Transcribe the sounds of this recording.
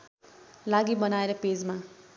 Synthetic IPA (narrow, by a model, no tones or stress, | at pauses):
laɡibʌnaeɾʌped͡zma